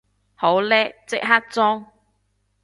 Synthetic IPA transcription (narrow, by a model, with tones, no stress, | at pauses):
ho˨˥wlɛː˥k̚t͡sɪ˥k̚ɦa˥k̚t͡sɔː˥ŋ